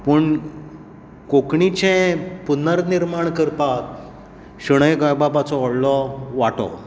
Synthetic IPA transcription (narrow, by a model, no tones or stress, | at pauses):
pəɳ | kokɳit͡ɕɛ̃punəɾniɾmaɳkəɾpat̪̚ | ɕəɽ̃əjɡajbabat͡sɔɔɽlɔʋaʈɔ̰